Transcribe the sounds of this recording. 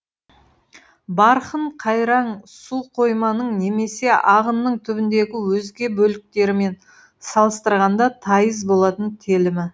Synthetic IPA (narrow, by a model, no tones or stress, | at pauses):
bɑɾχəɴqʰɑjɾɑɴsuqʰo̞jmɑnəɴne̞me̞se̞ʔɑʁənːəɴt̪ʰʏbɪnd̪e̞ɡʲɪwɵzɡʲe̞bɵlɪk̚t̪e̞ɾɪme̞n | sɑlˠəst̪əɾʁɑnd̪ɑt̪ʰɑjəzbo̞lˠɑt̪ənt̪ʰelɪmɪ